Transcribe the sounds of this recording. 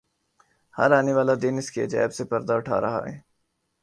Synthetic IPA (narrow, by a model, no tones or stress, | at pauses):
hɐ̰ɾaːneʋaːlad̪ɪnɪskiḛd͡ʒɛ̰ːbsepɐɾd̪aʊʈʰa̰ːɾɐɦa̰ɦɛ̰ː